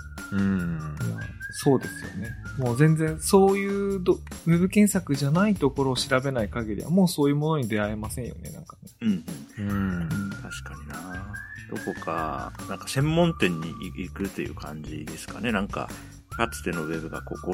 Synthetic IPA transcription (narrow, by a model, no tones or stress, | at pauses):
ɯ̟̃ːma̰so̞ːd̪e̞sɨjo̞̰ne̞mo̞ːzẽ̞nd͡zẽ̞ɰso̞ːjɯ̟ːd̪oβe̞bɯ̟kẽ̞ɰ̃sakɯ̟ʑanait̪o̞ko̞ɾo̞ːɕiɾabe̞naikaɡʲiɾʲḭβa̰mo̞ːso̞ːjɯ̟mo̞no̞ɲ̟id̪e̞ae̞masẽɰ̃jo̞̰ne̞̰nã̰ŋkane̞ɯ̟̃ːɴɯ̃ɴɯ̟̃t̪aɕi̥kaɲ̟inad̪̥o̞ko̞ka̰nãŋkḁsẽ̞mːõ̞nt̪ẽ̞ɲ̟ːḭʔiikɯ̟t̪ːe̞jɯ̟̰ːkʰã̰ɲ̟d͡ʑḭd̪e̞sɨ̥kane̞nãŋka̰ | kat͡sɨ̥t̪e̞no̞βe̞bɯ̟ɡa̰ko̰ːko